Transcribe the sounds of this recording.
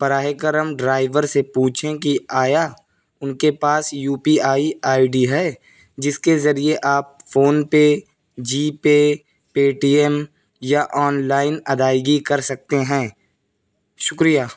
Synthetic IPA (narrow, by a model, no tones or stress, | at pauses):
pɐɾaːɦekəɾəmɖɾaːɪʋəɾsepũːt͡ʃʰẽkiaːja | ʊnkepaːsjuːpiaːiaːɪɖiɦɛː | d͡ʒɪskezɐɾieʔaːp̚foːnpe | d͡ʒiːpe | peːʈiːɛm | jaʔɔːnlaːɪnɐd̪aːɪɡikɐɾsɐk̚t̪eɦɛ̃ː | ʃʊkɾijaː